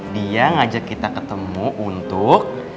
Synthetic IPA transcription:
diaŋad͡ʒakːit̪akət̪əmuʔunt̪ʊk̚

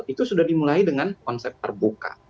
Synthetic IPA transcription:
it̪usudahdimulaidəŋankɔnsɛp̚t̪ərbuka̰

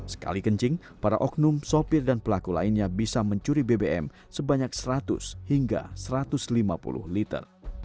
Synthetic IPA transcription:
sə̥ka̰likəɲt͡ʃɪŋ | paɾa̰ʔɔk̚nʊmsopɪrdanpəlakula̰inɲabisaməɲt͡ʃuɾibebeɛ̰m | səbaɲak̚səɾat̪ʊ̰shiŋɡa̰səɾat̪ʊslimapṵlʊ̰hlit̪ə̰r

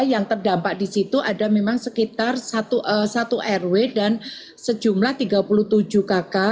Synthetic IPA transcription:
jaŋt̪ərdampaʔdisit̪uʔadamemaŋsəkit̪arsat̪uʔəsat̪uʔɛrwedan | səd͡ʒumlaht̪iɡapuluht̪ud͡ʒukaka

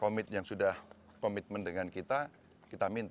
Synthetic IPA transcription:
komɪt̪̚jaŋsudah | komit̪̚məndəŋankit̪a | kit̪amint̪

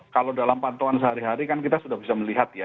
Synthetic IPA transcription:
kalodalampant̪oansəɦaɾiɦaɾikankit̪asudahbisaməliɦat̪̚ja

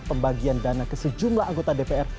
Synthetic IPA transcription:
pəmbaɡiandanakəsəd͡ʒumblahaŋɡot̪adepeɛr

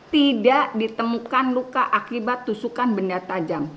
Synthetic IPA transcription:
t̪idaʔdit̪əmukanlukaʔakibat̪ːusukanbəndat̪ad͡ʒam

